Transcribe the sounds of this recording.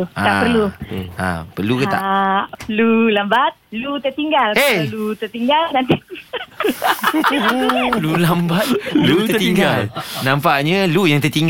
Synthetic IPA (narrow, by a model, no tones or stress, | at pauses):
aapərllua̰pəluk̪a̰ʔlulambat̪̚lut̪ərt̪iŋɡalelut̪ərt̪iŋɡalnant̪i | lulambat̪̚lut̪ət̪iŋɡalnãmpaʔɲalujaŋt̪ərt̪iŋɡ